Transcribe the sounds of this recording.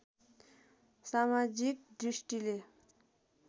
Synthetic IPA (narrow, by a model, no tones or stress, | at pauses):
samad͡ʑik̚ɖ͡ʐiɕʈ͡ʂile